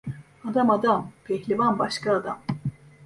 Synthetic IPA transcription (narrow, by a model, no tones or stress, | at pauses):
ad̪amad̪ampʰɛçlʲivanbaʃkaːd̪am